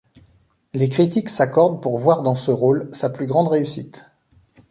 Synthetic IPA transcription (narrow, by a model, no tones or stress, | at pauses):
lekχit̪iksakɔʁd̪puʁvwaʁd̪ɑ̃səʁolsaplyɡʁɑ̃d̪ʁeysit̪